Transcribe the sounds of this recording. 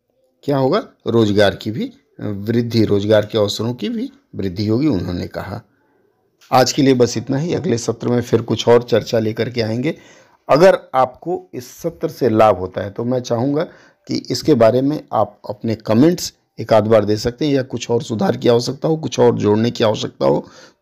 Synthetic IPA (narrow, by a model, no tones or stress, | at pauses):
kjaːɦoːɡaɾoːd͡ʒɡaːɾkibʱi | ʋɾɪd̪ʱːiɾoːzɡaːɾkeɔːsəɾõkibʱi | ʋɾɪd̪ʱːiɦoːɡiʊnɦõ̰nḛkɐ̰ɦa̰ː | aːd͡ʒkeliebɐsɪt̪naɦiɐ̰ɡlesɐt̪ɾəmẽfɪɾkʊt͡ʃʰɔːɾt͡ʃɐɾt͡ʃaleːkəɾkeaːẽːŋɡeː | ɐɡəɾaːp̚koɪsːɐt̪ɾəselaːbʱɦoːt̪aɦɛt̪omɛ̃ːt͡ʃaːɦũŋɡa | kḭʔɪskebaːɾemẽaːp̚ɐ̰pnekɐmẽːɳʈs | eːkaːd̪baːɾd̪eːsɐk̚t̪eɦɛ̃jakʊt͡ʃʰɔːɾsʊd̪ʱaːɾkiaːɦoʃɐk̚t̪aɦokʊt͡ʃʰɔːɾd͡ʒoːɽnekiaːʋəʃɐk̚t̪a̰ɦoː